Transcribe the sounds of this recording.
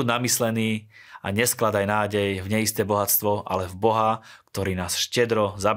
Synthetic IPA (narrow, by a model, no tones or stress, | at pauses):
unamislɛniː | a̰ɲɛsklad̪ajnaːɟɛjvɲɛist̪ɛːbɔɦat͡st̪ʋɔʔa̰lɛvbɔɦakt̪ɔɾiːnaːsʃcɛd̪ɾɔzab